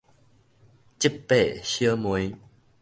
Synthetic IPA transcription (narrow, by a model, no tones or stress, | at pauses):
t͡ɕipːɛɕiəmuj